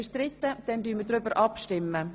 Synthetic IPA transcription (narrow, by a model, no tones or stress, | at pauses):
əʃtɾɪt̪ːəd̥ɛndyːmədɾʏbəɾʔɑpʃtɪmːə